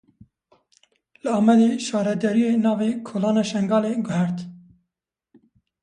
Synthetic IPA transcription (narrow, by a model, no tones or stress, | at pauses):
lɨɑːmɛd̪eʃɑːɾɛd̪ɛɾijenɑːvekʰoːlɑːnɑːʃɛŋɡɑːleːɡʊhɛɾt̪